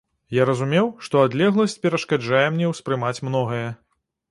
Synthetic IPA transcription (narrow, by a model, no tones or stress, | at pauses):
jaɾɐzumʲɛwʂt̪ɔad̪lʲɛɣlˠɐsʲt͡sʲpʲɛɾɐʂkad͡ʐajɛmnʲɛwspɾɨmat͡sʲmnɔɣɐjɐ